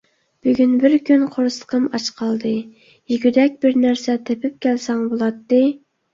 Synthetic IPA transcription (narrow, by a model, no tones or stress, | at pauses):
b̥yɡʲynbɪɾkʲʰynqʰoɾsqʰəmɑt͡ʃqʰɑlˠd̪ɨ | jiɡʲyd̪ɛk̚ʲbɪɾnæɾsɛt̪ʰepʰɪp̚kʲʰælsɛŋbolˠɑt̪ːɨ